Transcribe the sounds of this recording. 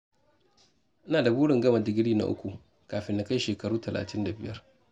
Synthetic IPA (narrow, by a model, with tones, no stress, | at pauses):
ʔɪ˦naː˨da˨buː˦ɽɪ˨ŋɡɐ˦ma˨dɪ˨ɡʲɪ˦ɽiː˦na̰˦ʔʊ̰˦kʷu˨ | kaː˨ɸɪ˦nda˨ka˦ʃeː˨kɐ˨ɽuː˦tɐ˨lʔa̰ː˨tɪ˦nda˨bɪ˨jɐ˦r